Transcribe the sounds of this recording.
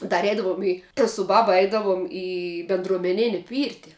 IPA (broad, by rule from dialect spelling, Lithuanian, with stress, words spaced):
dɐr ˈɛɪdɐʋoːm ˈiː tɐs sʊ ˈbɑːbɐ ˈɛɪdɐʋoːm ˈiː bʲɛndruɔmʲɛˈnʲɪnʲɪ ˈpʲiːrʲtʲɪ